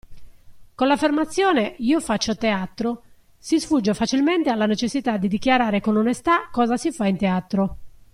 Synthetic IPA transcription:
kolafːermat̪sːjɔːneiːofat͡ʃːot̪eat̪ɾo | sisfud͡ʒːofat͡ʃilment̪ealːanet͡ʃesːit̪ad̪ːid̪ikjaɾaːɾekonɔnest̪akːɔːzasifaint̪eat̪ɾo

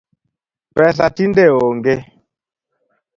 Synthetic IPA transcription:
pɛs̬atindeoŋɡe

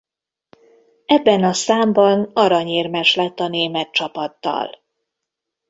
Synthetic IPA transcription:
ɛbːɛnɒsaːmbɒnɒɾɒɲeːrmɛʃlɛt̪ːɒneːmɛt̪̚t͡ʃɒpɒt̪ːɒ̰l

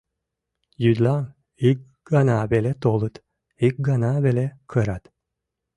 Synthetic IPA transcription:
jyd̪lam | ik̚ | ɡanaːbelʲɛt̪olˠɯt̪ | ik̚ɡanaːbelʲɛkʰɯɾat̪

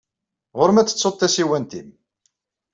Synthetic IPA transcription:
ʁʊɾmæt͡sːə̥t͡sːot̪ˤθæsiwænt̪im

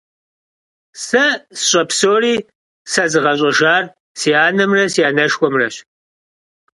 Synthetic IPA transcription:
sɐsɕʼɐpsoːriː | sɐzɨʁɐɕ̬ʼɐʒaːr | sijaːnɐmrɐsijaːnɐʂxʷɔmrɐɕ

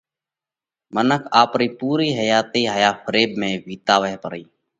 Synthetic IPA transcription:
mənəkʰaːpɾiːpuːɾiːɦəjaːt̪eːɦəːjaːfəɾeːbmẽːʋiːt̪aːʋəɦɛpəɾiː

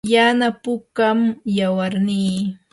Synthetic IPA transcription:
janapʊkamjawaɾniː

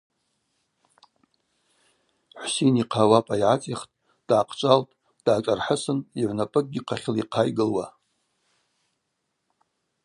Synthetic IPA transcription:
ħʷsejniqʰawapʼaiʕat͡sʼiχtʼ | d̥ʕaqʰt͡ʃʷʼaltʼ | d̥aːt͡ʃʷʼarħəsɨniʕʷnapʼɨk̚ʼɡʲiqʰaχʲɪliqʰajɡɨlwa

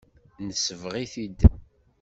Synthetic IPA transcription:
nəsəvʁiθid̪

